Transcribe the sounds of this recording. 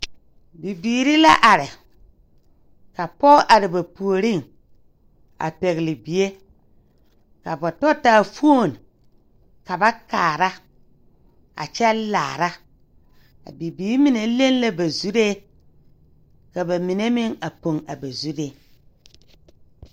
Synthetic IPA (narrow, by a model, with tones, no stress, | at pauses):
bi˨biː˨ɾi˦la˦ʔa˨ɾɪ˨ | ka˨pɔ˦ʔa˨ɾɪ˨ba˨pu˨o˨ɾɪ˦˨ŋ | a̰˨pɛ˨ɣɪ˨lɪ˨bi˨e˦ | ka˨bɔ˨tɔ˦taː˦˨fu˦o˦˨n˨ | ka˨ba˦kaː˨ɾa˦ | a̰˨t͡ʃɛ˦la̰ː˨ɾa˦ | a̰˨bi˨biː˨˦ɾmɪ˨ne˨˦le˦n˦la˦ba˨zu˦ɾe˦ | ka˨ba˨mɪ˨ne˦mɪ˦ŋa˨po˨ŋa˨ba˨zu˦ɾe˦